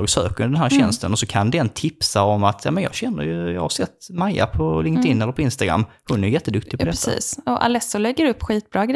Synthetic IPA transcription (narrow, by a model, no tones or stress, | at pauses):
ɡsø̰ːkəɾd̪ɛnɦæːɾɕɛnst̪ənɔsɔkʰand̪ɛnt̪ʰɪpsaɔmat̪ʰjɑ̰ːmənjɑ̰ːɡɕɛnːə̰ɾjjɑ̰ːhaɾsɛt̪ːmajːa̰pʰɔlɪŋk̚t̪ɪnːɛlːəɾpʰɔɪnst̪aɡɾa̰mːhʊnːæɾjʏjɛt̪ːəd̪ɵkt̪ɪ̥ɡpɔd̪ɛɾḭːsɔʔa̰lɛsːʊlɛɡːəɾɵpːɧiːt̪̚bɾɑːɡɾ